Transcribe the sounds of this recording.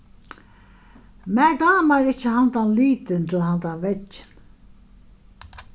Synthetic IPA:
mæːɖaːmaɾɪt͡ʃːəhand̪anliːt̪ɪnt̪ʰɪlhand̪anʋɛt͡ʃːɪ̥n

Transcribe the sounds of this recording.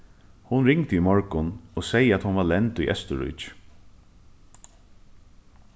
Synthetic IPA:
hʊnɾɪŋt̪imɔɹkʊnɔsejəæt̪hʊnvalɛnt̪ʊjʔɛ̰st̪əɾʊ̰jt͡ʃ

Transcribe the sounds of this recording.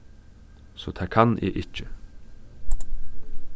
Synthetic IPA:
soːt̪ʰæːkʰanʔḛʔɪcːə

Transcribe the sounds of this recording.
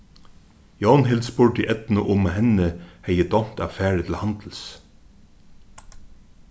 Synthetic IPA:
jɑːnhɪld̪spʊɖiːʔɛt̪n̩əʔʊməhɛnəheɪəd̪ɔnt̪ɑ̰ːʋfæːɖɪt̪ʰl̩hɑnd̪̥l̩s

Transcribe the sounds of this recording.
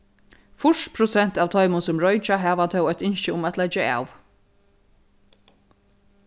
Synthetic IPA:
fʊʂtpʰɾʊsɛn̥t̪aːʋt̪ʰɔʏmʊnsʊmɹɔʏt͡ʃaɦæːʋat̪ʰɛwœjt̪ɪnʃəʊmat̪lɛd͡ʒəa̰ːʋ

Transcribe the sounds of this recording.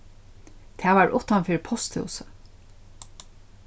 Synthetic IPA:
t̪ʰɛːʋaɹʔʊht̪anfɪːɾɪpʰɔst̪hɪ̰wsə

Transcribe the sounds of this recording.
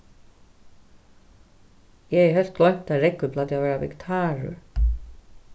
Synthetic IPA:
jɛɛɦœl̥t̪̚ɡlɔjn̥t̪aɾɛkːʏplaːd̪javɛːɾavɛ̰kt̪ʰaːɹʏ̰ɹ

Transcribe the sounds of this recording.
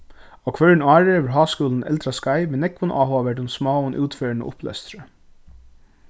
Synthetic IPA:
ɔkʰʋœɹɪnɑːɹəʋɪɹɦɑːskuːln̩ɛ̰lt̪ɾaskaɪmɛnɛkʋʊnʔa̰ːɦoaʋɛʈʊnsmɑːənʔṵːt̪fœːɹnə̰ʔʊ̰plɛ̰st̪ɾə

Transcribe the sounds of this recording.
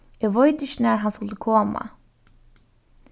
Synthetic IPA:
ɛvɔɥt̪ɪʃnɛɾɦanskʏlt̪ɪkʰɔːma̰

